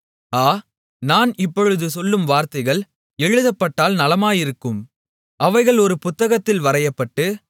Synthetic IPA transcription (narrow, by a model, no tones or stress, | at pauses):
aː | naːnɪpːɔɻɯðɯsɔlːɯmʋaːɾt̪ɐɪɣɐɭ | ɛɻɯðɐpːɐʈːaːlnɐlɐmaːjɪɾɯkːɯm | ʔɐʋɐɪɣɐɭɔɾɯpʊt̪ːɐɣɐt̪ːɪlʋɐɾɐjɐpːɐʈːɯ